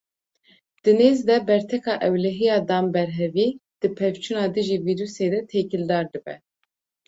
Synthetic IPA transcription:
d̪̥ɨneːzd̪ɛbɛɾt̪ʰɛkɑːʔɛwlɛɦijɑːd̪ɑːmbɛɾɦɛviːd̪̥ɨpʰɛvt͡ʃʰunɑːd̪ɨʒiːviːɾuːseːd̪ɛt̪ʰekɨld̪ɑːɾd̪ɨbɛ̰

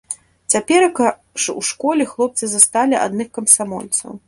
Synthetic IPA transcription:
t͡sʲapʲɛɾɐkɐ | ʂṵʂkɔlʲɛxlˠɔp̚t̪sɨzast̪alʲiʔa̰d̪nɨxkɐmsamɔ̰lʲt̪sɐ̰w

